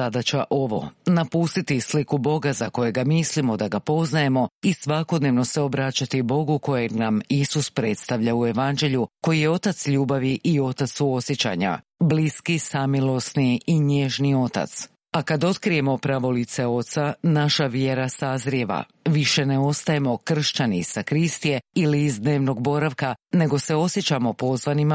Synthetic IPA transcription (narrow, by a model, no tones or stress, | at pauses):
ad̪at͡ɕaʔo̞ʋo̞̰napuːst̪it̪islikubo̞ɡazako̞jeɡamislimo̞d̪aɡapo̞znaje̞mo̞isʋako̞d̪neʋno̞seo̞bɾat͡ɕat̪ibo̞ɡuko̞jenamisuspɾe̞t̪st̪aʋʎaue̞ʋand͡ʒe̞ʎuko̞jije̞o̞t̪at̪sʎuːbaʋiʔio̞t̪at̪suo̞sjet͡ɕa̰ɲa̰bliskisamilˠo̞sniiɲe̞ʒnio̞t̪a̰t̪s | akad̪o̞t̪kɾije̞mo̞pɾaʋo̞lit̪se̞o̞t̪sanaʃaʋje̞ɾasazɾjieʋa̰ | ʋiʃe̞neo̞st̪aje̞mo̞kr̩ʃt͡ɕanisakɾist̪ije̞iliːzd̪ne̞ːʋno̞ɡ̚bo̞ɾaʋkane̞ɡo̞se̞o̞sjet͡ɕamo̞po̞zʋanima